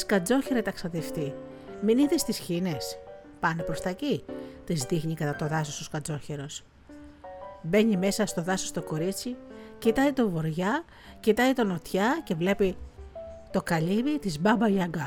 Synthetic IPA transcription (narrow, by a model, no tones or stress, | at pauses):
skɐd͡zo̞çeɾɐt̪ɐksɐt̪e̞ft̪i | miniðest̪isçine̞s | pɐnepɾost̪ɐcit̪izðixɲikɐt̪ɐt̪o̞ðɐsost̪oskɐd͡zo̞çe̞ɾo̞s | be̞ɲime̞sɐst̪o̞ðɐsost̪o̞ko̞ɾit͡sicit̪ɐit̪o̞vo̞ɾʝɐ | cit̪ɐit̪o̞no̞t̪çɐce̞vle̞pi | t̪o̞kɐʎivit̪izbɐbɐʝɐɡɐ